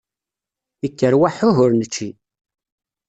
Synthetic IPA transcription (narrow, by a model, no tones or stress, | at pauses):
ikːəɾwaħʊɦʊɾnət͡ʃːi